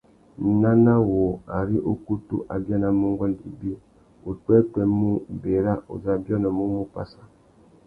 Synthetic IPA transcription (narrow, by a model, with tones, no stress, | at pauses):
na˦na˦wo˨a˨ɾi˦ʔo˦ku˦tṵ˦ʔa̰˨bja˦na˨mu˦ŋ˦ɡɔ˦n˨dḭ˨bi˦ | u˨k͡pɛ˦tɛ˨mu˦be˨ɾa˦ʔṵ˨za˨bjɔ˦nɔ˨mu˦mu˦pa̰˦sa˦